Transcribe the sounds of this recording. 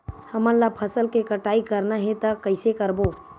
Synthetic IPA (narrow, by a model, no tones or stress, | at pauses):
həmənlapʰəsəlkekəʈaːikəɾnaɦɛ̃t̪əkəɪsekəɾbo